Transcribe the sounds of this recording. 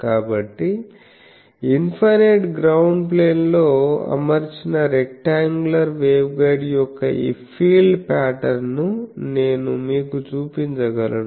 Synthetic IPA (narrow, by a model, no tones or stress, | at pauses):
kaːbɐʈːi | inpʰɐneʈɡɾɐwɳɖp̬le̞ːnlo̞ːɐ̰mɐɾit͡ʃinɐɾekʈːaːŋɡulɐɾʋeːwɡɐjɖjɔkːɐ̰ʔḭːpʰiːlɖpaːʈɐɾnune̞ːnumiːkut͡ʃuːpiɲt͡ʃɐɡɐlɐn